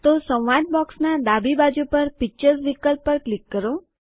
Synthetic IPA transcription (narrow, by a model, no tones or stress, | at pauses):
t̪osə̃wʋaʈ̚bɔksnad̪abibad͡ʒupəɾpik̚t͡ʃəɾsʋikəlpːəɾklikːəɾo